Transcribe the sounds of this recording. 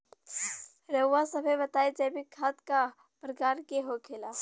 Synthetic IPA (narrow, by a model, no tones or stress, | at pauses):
ɾəwːasɐbʱebɐt̪aːed͡ʒɛːbʱikʰaːt̪ka | pɾəkaːɾkeɦokʰelaː